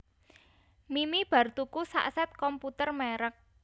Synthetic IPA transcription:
mimib̥a̤rt̪ukusa̰ʔsɛt̪̚kɔmput̪ərmeɾək̚

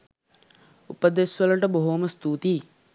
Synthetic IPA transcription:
upɐd̪esʋɐlɐʈɐboɦomɐst̪uːt̪i

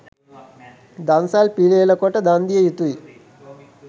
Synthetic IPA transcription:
d̪ansaːlpileːlɐkɔʈːɐd̪aːnd̪ijɐjut̪ui

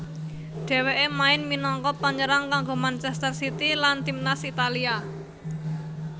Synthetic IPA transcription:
ɖ̥e̤weʔemaɪnminɔŋkɔpaɲəɾaŋkaŋɡomant͡ʃɛst̪ərsit̪ilant̪imnasit̪alia

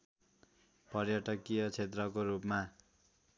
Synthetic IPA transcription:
pʌrjʌʈʌkijʌt͡sʰet̪rʌkoɾupma

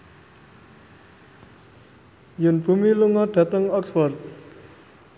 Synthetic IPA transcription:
jʊnb̥ṳmiluŋɔd̪̥ä̤t̪əŋɔksfɔrt̪̚

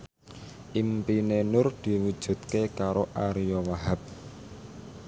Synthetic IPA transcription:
ʔimpinenʊrd̪̥i̤wud̥ʒ̥ṳt̪̚kekaɾoʔaɾjɔwaɦap̚

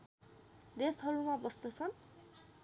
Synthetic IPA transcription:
d̪esɦʌɾumabʌst̪ʌt͡sʰʌn

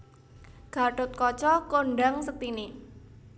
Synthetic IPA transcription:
ɡ̥a̤ʈʊt̪̚kɔt͡ʃɔkoɳɖaŋsək̚t̪ini

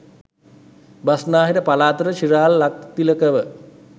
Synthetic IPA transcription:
basnaːɦiɾəpalaːt̪əɾəʃiɾaːlːak̚t̪iləkəʋə

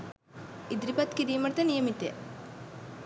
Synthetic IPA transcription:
id̪ɾipɐt̪kiɾijmɐɾt̪ɐnijɐmit̪ːḛ

